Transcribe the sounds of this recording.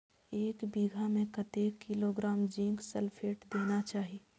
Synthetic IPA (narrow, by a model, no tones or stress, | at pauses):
eːkbiːɡʱamẽkət̪eːkːiloːɡɾaːmd͡ʒɪ̃ŋksəlpʰeːʈd̪eːnat͡ʃaːɦi